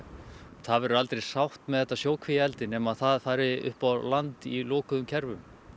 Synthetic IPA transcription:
θaðvɛɾalt̪ɾejsawht̪mɛðɛt̪ːasjoːwkʰvijaɛlt̪ɪnɛːmaðθaðfaːɾɪʏ̰hpawlant̪ilɔːkʏðʏmcʰɛɾvʏm

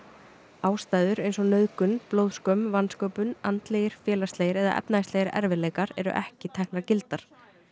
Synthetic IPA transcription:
aːwst̪aːjðʏɾejnsɔnœðkʏnploːwðskœmvanːskoːwpʏnant̪leːjɪɾ̥fjɛːlast̪leːjɪɾɛða̰ʔɛ̰pnaɪst̪lejɪɾɛ̰ɾvɪleːjkaɾɛ̰ɾʏ̰ʔɛ̰hcɪt̪ʰɛhknaɾcɪlt̪aɾ̥

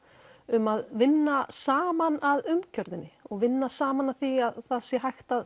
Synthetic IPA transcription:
ʏmaðvɪnːasaːmanaðʏmcʰœɾðɪnːɪɔɣvɪnːasaːmanaðθiaðθaðsjɛɦajxt̪að

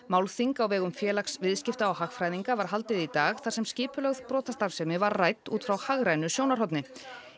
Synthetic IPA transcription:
maːwlθiŋkawvɛːɣʏmfjɛːlaksvɪðscɪft̪aawhaxfɾajðiŋkavaɾ̥ɦal̪t̪ɪðit̪aːɣθasɛmscɪːpʏlœɣð̥pɾɔːt̪ast̪ḁsɛmɪvaɾrajt̪uːt̪fɾawhaɣɾajnʏsjoːwnaɾhɔt̪̬nɪ

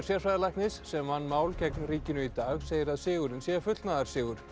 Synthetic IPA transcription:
ɾsjɛɾfajðalajhknɪsːɛmːanːmaːwlcɛknriːcɪnʏit̪aːɣseːjɪɾaðsɪːɣʏɾɪnsjɛɣafʏt̪lt̪naðaɾ̥sɪːɣʏɾ̥

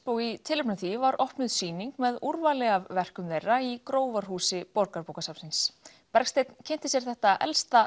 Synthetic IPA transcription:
poːwɣit̪ʰɪlʏpnʏθivaɾʔɔhpnʏðsiːniŋkmɛðuɾvalɛɣavvɛr̥kʏmðejrːaikɾoːwvaɾ̥hɦuːsɪpɔɾkaɾpowkasapsɪns | pɛɾ̥kst̪ejt̪n̥cʰejn̥t̪ɪsjɛɾ̥θɛht̪aʔɛ̰lst̪a

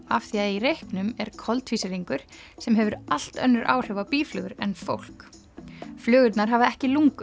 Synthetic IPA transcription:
afθiaðirejhknʏmɛɾ̥kʰɔlt̪fiːsɪɾiŋkʏɾ̥ | sɛmɦɛvʏɾal̥t̪œ̰nːʏɾʔa̰ːwr̥ɛvawpiːflʏːɣʏɾɛnfowl̥k | flœːɣʏt̪naɾɦavaɛhcɪluŋk

